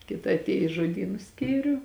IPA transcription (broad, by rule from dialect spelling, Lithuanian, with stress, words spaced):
ˈkʲɪtɐ ɐtʲˈeːjʊ ɪ ʒoːˈdʲiːnʊ ˈsʲkʲiːrʲʊ